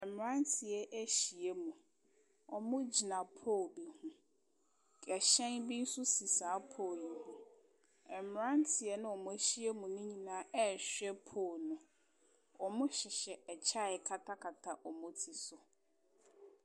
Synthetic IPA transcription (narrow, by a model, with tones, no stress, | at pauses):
ɛ˨m˨ɾã˦n˦tʰɪ˨ɛ˨ʔæ˦ɕi˨e˦mũ˨ | ɔ˨mʊ̃˦d͡ʑi˨nã˨pʰo˦˨be˨hũ˦ | kʼɛ˨ɕɛ̃˦nbi˦n̩˦sʊ˦si˨saː˨˦pʰoː˦˨i˨hũ˦ | ɛ˨m˨ã˦n˦tʰɪ˨ɛ˦nʊ̃˦ɔ˨mʊ̃˦æ˦ɕi˦e˦mũ˨nʊ̃˦ɲĩ˨nãː˦ɛ˦˨ɕᶣɛ˦pʰoː˦˨nʊ̃˨ | ɔ˨mʊ̃˦ɕɪ˨ɕɛ˨ɛ˨t͡ɕʰa˦˨ɛ˨kʰa˦tʰa˦kʰa˨tʰa˦˨ʔɔ˨mʊ̃˦tʰi˨sʊ˨